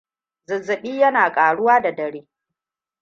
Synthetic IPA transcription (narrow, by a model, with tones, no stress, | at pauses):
zɪ˨zɪ˨ɓiː˦jɐ˦naː˨kʼaː˨ɽʊ˦waː˦da˨dɐ˨ɽeː˦